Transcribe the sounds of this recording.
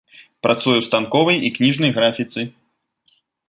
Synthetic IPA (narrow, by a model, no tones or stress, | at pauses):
pɾʔat̪sujuwst̪ankɔvɐjiknʲiʐnɐjɣɾafʲit̪sɨ